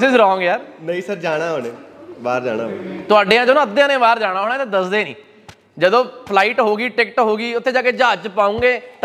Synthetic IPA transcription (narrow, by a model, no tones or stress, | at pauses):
sɪzɾɔːŋɡjaːɾnəĩːsəɾd͡ʒaːɽ̃aːɦoːneːʋaːɾd͡ʒa̰ːna̰ːɦo̰ːnet̪ʊaːɖẽːãːd͡ʒonõːəd̪ːeãːnẽːʋaːɾd͡ʒaːɽ̃aːɦoːñaːt̪ãːd̪əsd̪eːnḭ̃ː | d͡ʒəd̪õːpʰlaːiːʈɦoːɡiːʈɪkʈɦoːɡiːʊt̪ʰːeːd͡ʒaːkeːd͡ʒaːd͡ʒpaːũːŋɡeːt̪